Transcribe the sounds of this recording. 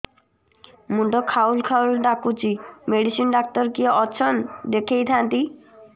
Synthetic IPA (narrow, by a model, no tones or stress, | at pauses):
muɳʈɔkʰaulkʰaulɖakut͡ʃʰimeɽisinɖak̚t̪ɔɾkiɔʔɔt͡ɕʰɔnd̪ekʰejt̪ʰant̪i